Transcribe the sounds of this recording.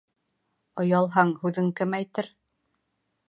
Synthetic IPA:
ɤ̆jɑlˠɦɑɴhʉðɘŋkɘmæjt̪ɘɾ

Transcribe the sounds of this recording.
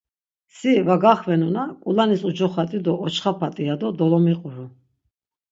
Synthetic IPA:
sivaɡaχvɛnɔnakʼulanisud͡ʒɔχat̪ʼid̪ɔːt͡ʃʰχapʰat̪ʼiad̪ɔd̪ɔlɔmiqʼuɾu

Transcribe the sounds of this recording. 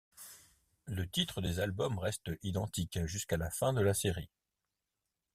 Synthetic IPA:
lət̪it̪χəd̪ezalbɔmʁɛst̪id̪ɑ̃t̪ikʒyskalafɛ̃d̪əlaseʁi

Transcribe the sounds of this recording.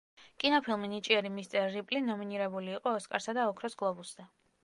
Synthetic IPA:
kʼinɔpʰilˠminit͡ʃʼiɛɾimist̪sʼɛlɾipʼlinɔminiɾɛbuliːqʼɔːskʼaɾsad̪aɔkʰɾɔsɡlˠɔbuszɛ

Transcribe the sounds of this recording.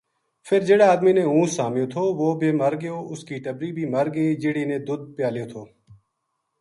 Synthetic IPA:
fʰɪɾd͡ʒeːɽaːaːd̪miːnẽːũːsaːmjõːt̪ʰoːʋoːbʱeːməɾɡɪjoːʔʊskiːʈəbɾiːbʱiːməɾɡeːd͡ʒɪɽiːnẽːd̪ʊd̪̚pɪjaːlijoːt̪ʰoː

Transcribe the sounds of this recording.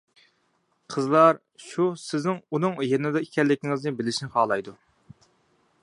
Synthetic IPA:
qʰəzlˠɑɾ | ʃusɪznɪŋunɨŋjenɪd̪ɛikʲʰɛlːɪkʲʰɪŋɪznɪbɪlɪʃnɪχɑːlˠɑjd̪u

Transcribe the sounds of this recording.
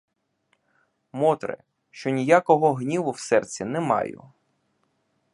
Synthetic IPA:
mɔt̪ɾɪ̰ | ʃt͡ʃɔnʲijakɔɦɔɦnʲiʋʊwsɛrt͡sʲːinɛmɑ̰jʊ̰

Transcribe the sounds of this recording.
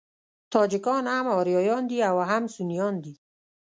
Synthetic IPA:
t̪ʰɔːd͡ʒɪkɔnhamɔːɾjɔːjɔnd̪iawaɦamsunijɔnd̪i

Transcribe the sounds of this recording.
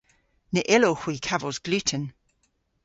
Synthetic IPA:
nəʔɪlohw̥iːkʰavozɡ̥lʉːˑtʰən

